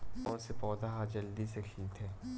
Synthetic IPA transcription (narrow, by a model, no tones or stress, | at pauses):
ɔːɾsepɔːd̪aɦad͡ʒɐld̪isekʰiːt̪ʰɦɛː